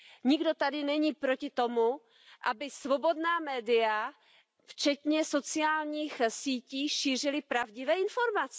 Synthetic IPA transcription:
ɲɪɡdo̞t̪adɪnɛɲiːpɾo̞cɪt̪o̞mu | ʔa̰bɪsvo̞bo̞dnaːmɛːdɪa | ft͡ʃɛt̪ɲɛso̞t͡sɪaːlɲiːxsiːciːʃiːr̝ɪlɪpɾavɟɪvɛːɪnfo̞ɾmat͡sɛ̥

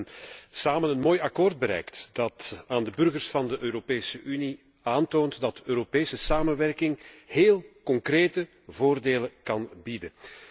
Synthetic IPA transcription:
nsaːmənənmoːjɑkoːrd̚bəɾɛ̰jktd̥ɑtaːndəbɵrɣərsfɑndəʔøːɾopeːsəʔyni | aːntoːntdɑtøːɾopeːsəsaːmənʋɛrkɪŋɦeːlˠkɔŋkreːtə | voːrdeːləkɑnbidə

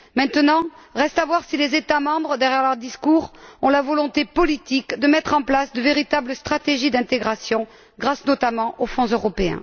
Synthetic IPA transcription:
mɛ̃t̪ənɑ̃ʁɛst̪avwaʁsilezet̪amɑ̃bʁəd̪ɛʁjɛʁlœʁd̪iskuʁɔ̃lavɔlɔ̃t̪epɔlit̪ikd̪əmɛt̪χɑ̃plasd̪əveʁit̪abləst̪χat̪eʒid̪ɛ̃t̪eɡʁasjɔ̃ | ɡʁasnɔt̪amɑ̃ʔofɔ̃zøʁɔpeɛ̰̃

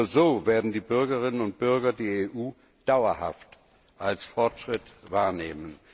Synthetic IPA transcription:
ɐzoːveːɐdn̩diːbʏɐɡəʁɪnənʊnt̚b̥ʏɐɡɐdiːeʔuː | d̥aʊɐha̰ft | ʔalsfɔɐtʃʁ̥ɪtvaːɐneːmən

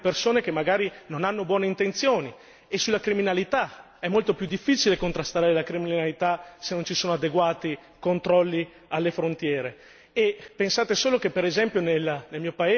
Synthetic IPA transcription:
persoːnekemːaɡaːɾinonanːobwɔːneint̪ent̪sjoːni | esulakɾiminalit̪a | ɛmːolt̪opjud̪ːifːiːt͡ʃilekont̪ɾast̪aːɾɾelakɾiminnalit̪asenont͡ʃisoːnoad̪eɡwaːt̪i | kont̪ɾɔlːi | alːefɾont̪jɛːɾe | epensaːt̪esoːlokepːeɾezɛmpjonelnelmiːopae

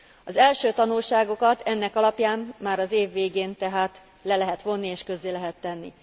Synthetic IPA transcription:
ɒzɛlʃøːt̪ɒnulʃaːɡo̞kɒt̪ɛnːɛkɒlɒpjaːmːaːɾɒzeːvːeːɡeːnt̪ɛɦaːt̪ | lɛlɛɦɛt̪ʋo̞nːieːʃkø̞zːeːlɛɦɛt̪ːɛnːḭ

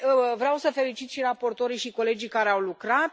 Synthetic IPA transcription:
vɾeawsəfe̞lit͡ʃit̪ʃiɾapo̞rt̪o̞ɾiʃiko̞le̞d͡ʒijkaɾeawlukɾat̪̚

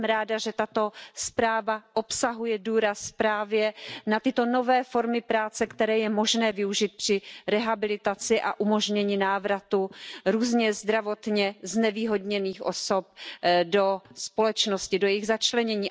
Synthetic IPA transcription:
mɾaːdaʒɛt̪at̪o̞spɾaːvaʔopsaɦujɛduːɾaspɾaːvjɛnat̪ɪt̪o̞no̞vɛːfo̞ɾmɪpɾaːt͡sɛkt̪ɛɾɛːjɛmo̞ʒnɛːvɪuʒɪt̪̚pr̥ɪɾɛɦabɪlɪt̪at͡sɪʔa̰ʔumo̞ʒɲɛɲɪnaːvɾat̪uɾuːzɲɛzd̪ɾavo̞t̪ɲɛznɛviːɦo̞dɲɛniːxʔo̞̰so̞p̚dospo̞lɛt͡ʃnoscɪdojɛɪɣzat͡ʃlɛɲɛɲiː

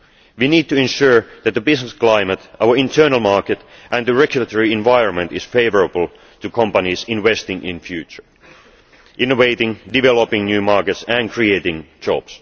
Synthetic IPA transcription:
ʋiniːd̚tɨɛ̃nʃʊɹðæt̪̚ðəbɪsnəskl̥aɪmət̪ʔaʊə˞ɪ̃ntʰɜ˞nəlˠmɑɹkɨt̪ʔæ̃ndəɹɛɡjʉlət̪ʰəɹiɪ̃nʋaɪɹə̃nmə̃ntɪsfeɪvə˞əbəl̩ˠ | t̪ʰɨkʰʌ̃mpanisɪ̃nʋɛstɪ̃ŋʔɪ̰̃nfjʉːt͡ʃə˞ | ʔɪ̃noʋeɪtɪ̃ŋdɪʋɛlopɪ̃ŋnjʉːmɑɹkɛtsæ̃nkʰɹieɪtɪ̃ŋd͡ʒɑ̰b̥s

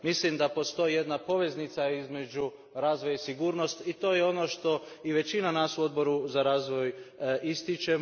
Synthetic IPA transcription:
mislimd̪apo̞st̪o̞jije̞d̪napo̞ʋe̞znit̪saizme̞d͡ʒu | ɾaːzʋo̞jaisiɡuːɾno̞st̪it̪o̞ːjeo̞no̞ʃt̪o̞iʋe̞t͡ʃinanaːsuo̞d̪bo̞ɾuzaɾaːzʋo̞jist̪it͡ʃe̞

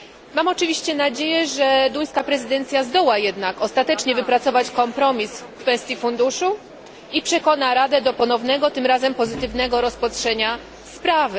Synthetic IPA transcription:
mamɔt͡ʂɘvʲiɕt͡ɕɛnad͡ʑejɛʐɛd̪uj̃skapɾɛzɘd̪ɛnt̪sʲjazd̪ɔwajɛd̪nakɔst̪at̪ɛt͡ʂɲɛvɘpɾat̪sɔvat͡ɕkɔmpɾɔmʲiskfɛst̪ʲjifund̪uʂu | ipʂɛkɔnaɾad̪ɛd̪ɔpɔnɔvnɛɡɔt̪ɘmɾazɛmpɔzɘt̪ɘvnɛɡɔɾɔspatʂɛɲa | spɾavɘ

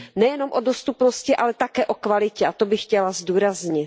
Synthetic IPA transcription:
nɛjɛno̞mʔodost̪upnoscɪʔalɛt̪akɛːʔokvalɪcɛʔat̪o̞bɪxcɛlazduːɾazɲɪt̪

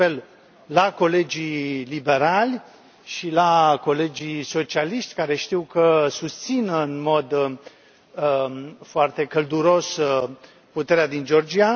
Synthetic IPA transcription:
el | lako̞le̞d͡ʒilibe̞ɾalʲ | ʃilako̞le̞d͡ʒiso̞t͡ʃialiʃt̪ʲkaɾe̞ʃt̪iwkəsust̪sinəɨnmo̞d̪ | foart̪e̞kəld̪uɾo̞s | put̪e̞ɾead̪ind͡ʒo̞rd͡ʒia

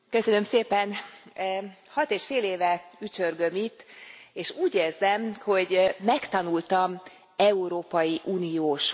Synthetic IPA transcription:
kø̞sønømseːpɛn | hɒt̪eːʃfeːleːvɛyt͡ʃørɡø̞mit̪ːeːʃuːɟeːrzɛmho̞ɟːɛkt̪ɒnult̪ɒm | ɛuɾoːpɒjiʔuːnijoːʃ

